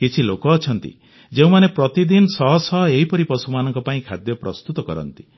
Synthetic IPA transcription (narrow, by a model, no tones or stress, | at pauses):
kit͡ʃʰilokɔːt͡ʃʰɔn̪t̪ḭ | d͡ʒeũmanepɾɔt̪id̪inɔsɔɦɔsɔɦɔeɦipɔɾipɔsumanɔŋkɔpaĩkʰad̪jɔpɾɔst̪ut̪ɔkɔ̰ɾɔ̰nt̪i̥